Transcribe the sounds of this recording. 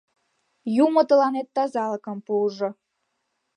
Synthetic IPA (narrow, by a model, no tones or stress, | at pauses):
jumɤ̆t̪ə̆lɑnet̪ːɑzɑlɤkɤ̆mpuʒɤ̆